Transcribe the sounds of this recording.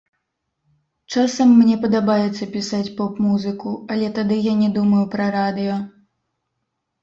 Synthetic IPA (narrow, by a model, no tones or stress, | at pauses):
t͡ʂasɐmːnʲɛpɐd̪abajɛt̪sːɐpʲisat͡sʲpɔpmuzɨkuɐlʲɛt̪ad̪ɨjanʲɛd̪umɐjupɾɐɾad̪ɨjɔ